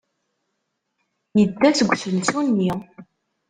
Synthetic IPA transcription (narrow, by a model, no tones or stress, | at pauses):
jəd̪ːæt͡sːɡʷːsəlsunːi